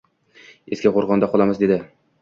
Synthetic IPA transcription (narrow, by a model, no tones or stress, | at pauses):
eskʲaqoɾʁɒnd̪aqʰɒlˠamɪzd̪e̞d̪ɪ